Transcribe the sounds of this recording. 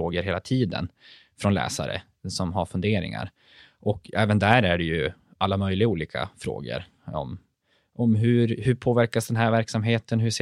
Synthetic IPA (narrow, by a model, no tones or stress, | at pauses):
oːɡəɾɦeːlat̪ʰiːd̪ə̰n | fɾɔnlɛ̰ːsa̰ɾə̰ | sɔmɦaɾfɵnd̪eːɾɪ̰ŋa̰ɾ | ʔɔkɛːvənd̪æɾæɖɛjɵ | ʔalːamœjlɪɡauːliːkʰa̰fɾo̰ːɡə̰ɾ | ɔ̰m | ʔɔmɦɵɾhɵpʰoːvæɾkasd̪ɛnɦæɾvæɾksamɦeːt̪ʰənɦɵʂeː